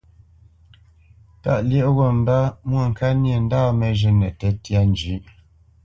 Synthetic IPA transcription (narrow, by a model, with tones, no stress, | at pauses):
ta̰˦˨ʔljə˦ʔɣɔ˦˨m˦da˦mwə˨ŋ̩˨ka˦nje˨n̩˦daː˦˨mɛ˨ʒə˨nɛ˨tɛ˦tja˦n˨d͡ʒʉ˨˦ʔ